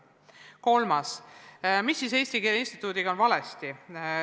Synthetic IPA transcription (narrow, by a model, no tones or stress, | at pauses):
ko̞lmɑs | misːise̞ːst̪iɡeinst̪i̥t̪ːˑuːd̪iɡ̥ɑonvɑlest̪i